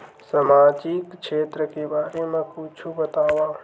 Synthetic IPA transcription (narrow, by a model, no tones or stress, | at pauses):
samaːd͡ʒɪkʃeːt̪ɾəkebaːɾemẽkuːt͡ʃʰubət̪aːwaː